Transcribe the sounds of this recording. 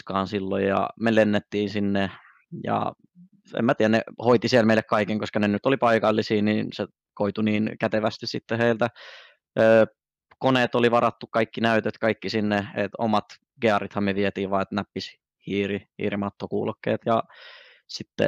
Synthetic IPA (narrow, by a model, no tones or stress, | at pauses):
kɑːnsilːo̰jjɑ̰melenːet̪ːiːnsinːe | jɑ̰ | ḛmæt̪iːænḛhoit̪isiɛlmeilekkɑikeŋkoskɑnenyt̪ːolipɑikɑlːisiːniːnse | koit̪uniːnkæt̪eʋæst̪issit̪ːeheilt̪æ | ʔøː | koneːt̪oliʋɑrɑt̪ːukkɑikːinæyt̪øt̪kɑikːisinːeḛt̪o̰mɑt̪ | ɡ̥eɑrit̪hɑmyøʋiɛt̪iːʋʋɑːet̪næpːis | hiːrihḭːrimɑt̪ːokṵːlokːḛːt̪jɑ | sit̪ːḛ